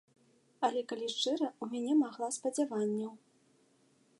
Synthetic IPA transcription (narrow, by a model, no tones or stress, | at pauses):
ɐlʲɛkalʲiʂt͡ʂɨɾɐumʲanʲɛmaɣlˠaspɐd͡zʲavanʲːɐw